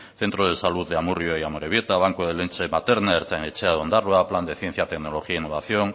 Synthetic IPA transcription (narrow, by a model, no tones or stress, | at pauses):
θe̞nt̪ɾoð̞e̞saluððeamurjoejamoɾeβ̞je̞t̪aβ̞aŋkoðelent͡ʃemat̪eɾnaeɾt͡sanet͡ʃeaðeond̪arwapland̪e̞θje̞n̟θjat̪e̞kno̞lo̞xiainːo̞βaθjoŋ